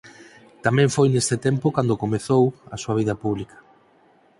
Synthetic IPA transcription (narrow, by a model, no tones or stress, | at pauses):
t̪amɛ̃ɱfojnest̪et̪ɛmpʊkand̪okomeθowɐsuaβiðɐpuβlikɐ̥